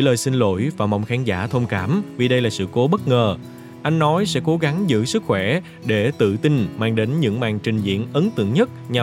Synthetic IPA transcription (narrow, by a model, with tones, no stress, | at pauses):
ləː˨˩jsï˧nlo̰˧˥˨jvaː˨˩mɔ˨˩wŋ͡mxaː˨˦ŋzaː˧˩t̪ʰə˧wŋ͡mkaː˧˩mvi˨˩ɗə˧jlaː˨˩sɨ̰˧˨ko˨˦ɓə˦˥t̚ŋəː˨˩ | ʔa˧jŋ̟nɔ˨˦jsɛ̰˧˥ko˨˦ɣa˨˦ŋzɨ̰˧˥sɨ˦˥k̚xwɛ˧˩ | ɗe˧˩t̪ɨ̰˧˨t̪i˧nmaː˧ŋɗe˨˦nɲɨ̰˧˥ŋmaː˨˩ŋt͡ɕï˨˩ŋzḭ˧˨ənʔə˨˦nt̪ɨ̰˧˨ŋɲə˦˥t̚ɲa˨˩